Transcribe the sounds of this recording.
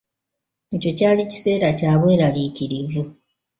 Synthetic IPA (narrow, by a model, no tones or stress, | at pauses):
eco̞caːlici̥se̞ːɾacaːβwe̞ːɾaliciɾivu